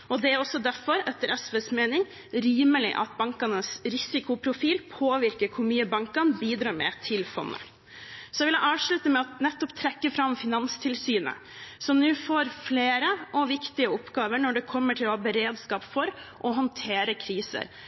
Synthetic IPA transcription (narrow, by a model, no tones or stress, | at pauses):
ʔɔd̪ɛæɾɔsːɔd̪æɾfɔɾɛt̪ːəɾʔɛsʋeːsmeːnɪŋ | ɾyːməlɪ̰ʔɑ̰t̪̚bɑŋkɑnəsɾɪsɪkʊpʰɾʊfiːlpʰoːʋɪɾkəɾkʰʊmyːəbɑŋkɑnbiːd̪ɾɑːɾmɛ̰t̪ʰɪlfɔ̰nːə̰ | sɔjɛʋɪlə̰ʔɑːʋʂɭʉt̪əmɛɑt̪nɛt̪ːɔpt̪ʰɾɛkːəfɾɑmfɪnɑnst̪ʰɪlsyːnə̰ | sɔmnʉːfoːɾfleːɾəʔɔʋɪkt̪ɪəɔpːɡɑːʋəɳɔɖɛkʰɔmːəʈʰɪlɔɔbəɾeːd̪skɑːpfɔɾʔɔɦɔnt̪ʰeːɾəkʰɾiːsə̰ɾ